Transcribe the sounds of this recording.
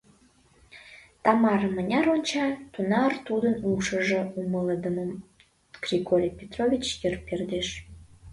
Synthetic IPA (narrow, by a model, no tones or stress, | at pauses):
t̪ɑmɑɾəmənʲɑɾonʲt͡ɕɑt̪unɑrt̪ud̪ənuʃəʒeumələd̪əməm | krʲikolʲipʲet̪rovʲit͡ɕjərperd̪eʃ